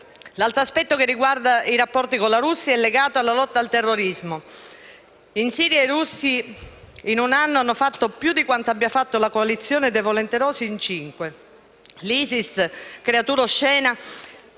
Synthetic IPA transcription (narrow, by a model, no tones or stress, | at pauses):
lalt̪ɾoaspɛt̪ːokerːiɡward̪aiɾapːɔrt̪ikonlaɾusːjaɛlːeɡaːt̪oalːalɔt̪ːaːlt̪erːoɾizmo | insiːɾjaerusːi | inunanːoanːofat̪ːopjud̪ːikwant̪oabːjafat̪ːolakoalit̪sːjoːned̪evolent̪eɾɔːsiːnt͡ʃiŋkwe | liːsiskɾeat̪uːɾoʃːɛːna